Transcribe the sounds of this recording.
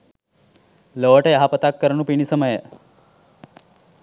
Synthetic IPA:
ləʋəʈeɦapət̪akːəɾɳũpiɳisəməje

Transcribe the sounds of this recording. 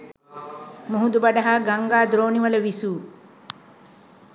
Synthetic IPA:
muɦud̪ubɐɖɐɦaːɡaŋɡaːd̪ɾoːniʋɐlɐʋisuː

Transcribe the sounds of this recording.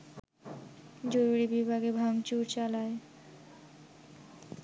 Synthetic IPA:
d͡ʑoɾuɾibibʱaɡebʱaŋt͡ɕuɾt͡ɕalae

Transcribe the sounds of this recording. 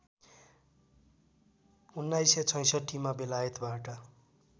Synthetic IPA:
unːajset͡sʰʌj̃sʌʈʰːimabelajʌt̪baʈʌ

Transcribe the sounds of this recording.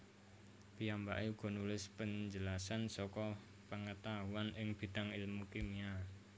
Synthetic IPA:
piambaʔeuɡ̥ɔ̤nulɪspəɲd͡ʒəlasansɔkɔ | pəŋət̪aɦuanɪŋb̥i̤d̪̥aŋilmukemia

